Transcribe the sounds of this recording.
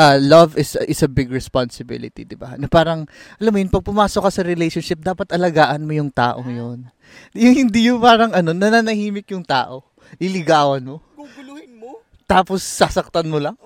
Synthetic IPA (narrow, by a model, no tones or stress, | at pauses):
ʔɐlɐvɪsʔɪsɐbɪɡɹɛspansɪbɪ̰lɪt̪ḭd̪ɪba̰nɐpaːɾɐŋʔɐlamːojʊnpɐɡ̚pʊmaːsokːɐsɐɾɪlejʃonʃɪp̚d̪aːpɐt̪ʔɐlɐɡaːʔɐnmojʊŋt̪a̰ːʔo̞ŋɐjon | jʊŋhɪnd̪ijʊpaːɾɐŋɐno̞nɐnanɐhiːmɪk̚jʊŋt̪a̰ːʔo̞ | lɪlɪɡaːwɐnmo̞ | t̪aːposːɐsɐk̚t̪ɐnmolɐŋ